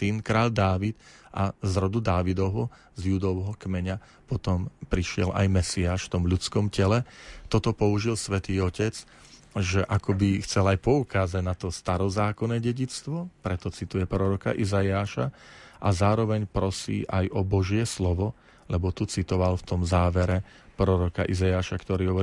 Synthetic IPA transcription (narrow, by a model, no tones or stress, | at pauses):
t̪iːnkɾaːʎd̪aːʋit̪ʔazɾɔd̪ud̪aːʋid̪ɔɦɔ | zʎud̪ɔʊɦɔkmɛɲa | pɔt̪ɔmpɾiʃɪɛ̰lʔa̰jmɛsiaːʃft̪ɔmʎut͡skɔmcɛlɛt̪ɔt̪ɔpɔuʒilsʋɛt̪iːɔcɛt͡s | ʒɛʔakɔbixt͡sɛlajpɔukaːzaɟnat̪ɔst̪aɾɔzaːkɔnɛːɟɛɟit͡st̪ʋɔpɾɛt̪ɔt͡sit̪ujɛpɾɔɾɔka̰ʔizajaːʃaʔazaːɾɔʋɛɲpɾɔsḭːʔajɔbɔʒɪɛslɔʋɔ | lɛbɔt̪ut͡sit̪ɔʋalft̪ɔmzaːʋɛɾɛ | pɾɔɾɔka̰ʔizajaːʃakt̪ɔɾiːɦɔʋɔɾi